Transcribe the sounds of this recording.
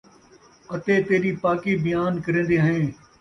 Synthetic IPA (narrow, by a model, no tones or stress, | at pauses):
ət̪eːt̪eːɾiːpaːkiːbɪjaːnkəɾẽːnd̪eːɦəẽː